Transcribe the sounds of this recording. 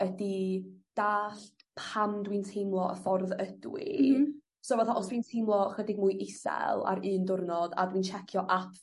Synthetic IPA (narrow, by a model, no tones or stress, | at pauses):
ədid̥aːɬ | pʰamdwintʰejmlˠɔə̰fɔrðəd̥wḭ | soːvaθaʔɔsd̥wintʰejmlˠɔχədɪɡ̚muːjʔɪsɛ̰lˠa̰ɾɨːndʊrnɔd̥a̰dwiːnt͡ʃʰɛkʰjɔʔatʰ